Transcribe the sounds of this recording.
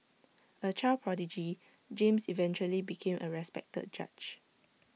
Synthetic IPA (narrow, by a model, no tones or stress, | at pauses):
ət͡ʃalpʰɹɔdid͡ʒi | d͡ʒẽmsivɛ̃nt͡ʃuəlibikʰẽmʔəɹɛspɛ̰k̚tə̰d̚d͡ʒa̰t͡ʃ